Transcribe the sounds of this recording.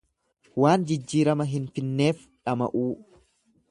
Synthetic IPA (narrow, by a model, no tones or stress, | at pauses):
waːnd͡ʒɪd͡ʒːiːɾɐmɐɦɪnfɪnːe̞ːf | ᶑɐmɐ̰ʔuː